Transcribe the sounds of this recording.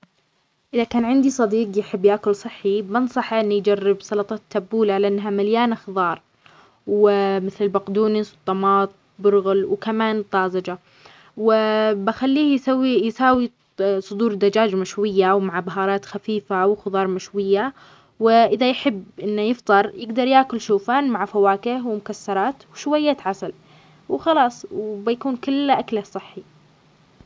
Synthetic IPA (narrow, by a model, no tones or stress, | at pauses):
ʔɪðakaːnʕɪnd̪isˤɑd̪iːqjɪħɪbːjʔakʊlsˤɨħːibɪnsˤɑħʔɪnːujd͡ʒarːɪbsˤɑlɑt̪ˤɑt̪ʰːabːuːlaʕalaʔɪnːɦamaljaːnxðˤɑːɾˤ | wɪmɪθlɪlbaqd̪uːnɪswt̪ˤːɑmɑːt̪̚ˤ | bʊɾɣʊlwkamaːnt̪ˤɑːzad͡ʒa | wɪbɪxalːiːjsawːijsaːwi | sˤʊd̪uːɾd̪ad͡ʒaːd͡ʒmaʃwɪjːawmaʕbaɦɑːɾˤɑːt̪xafiːfawxʊðˤɑːɾˤmaʃwɪjːa | wɪʔɪðajħɪbːʔɪnːajɪft̪ˤɨɾˤjɪɡd̪ɑɾˤjaːkʊlʃuːfaːnmaʕfawaːkɪhwɪmʊkasːɑɾˤɑːt̪wʃwajːaːt̪ʕasal | wxɑlɑːsˤwbɪjakuːnkɪlːʔaklasˤɨħːi